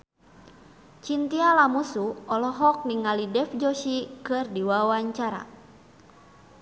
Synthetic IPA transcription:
t͡ʃint̪ialamusuɔlɔɦɔk̚niŋalidɛfd͡ʒɔʃikɨrdiwawaɲt͡ʃaɾa̰

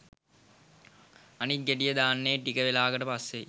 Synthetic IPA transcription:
anit̪̚ɡeʈijəd̪aːnːeʈikəʋelaːɡəʈəpasːe

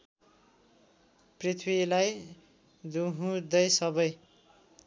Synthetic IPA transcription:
prit̪ʰwilaj | d̪uɦũd̪ʌjsʌbʌj

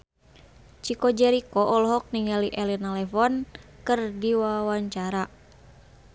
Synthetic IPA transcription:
t͡ʃikɔd͡ʒɛɾikɔʔɔlɔɦɔk̚niŋɡaliʔɛlinalɛfɔnkɨrdiwawaɲt͡ʃaɾa

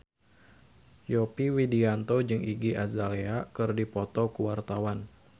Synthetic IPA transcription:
jopiwidiant̪od͡ʒɨŋʔiɡiʔazaleakɨrdipɔt̪ɔkuwart̪awan

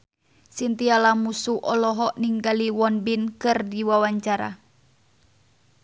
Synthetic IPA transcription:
sint̪ialamusuʔɔlɔɦɔʔniŋɡaliwɔnbinkɨrdiwawaɲt͡ʃaɾa̰

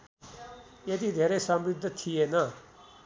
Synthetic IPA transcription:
jeːd̪iːd̪ʱeːɾeːsəmɾɪd̪ʱət̪ʰiːeːnaː

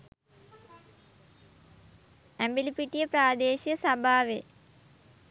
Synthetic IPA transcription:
æmbilipiʈijəpɾaːd̪eːʃijəsabʱaːʋe

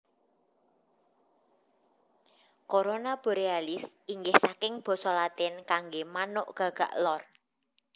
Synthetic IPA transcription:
koɾonab̥o̤ɾealɪsiŋɡɪhsakɪŋb̥ɔ̤sɔlat̪ɪnkaŋɡemanʊʔɡ̥a̤ɡ̥a̤̰ʔlɔr

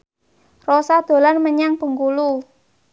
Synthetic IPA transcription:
rɔsad̪̥o̤lanməɲaŋpəŋɡulu

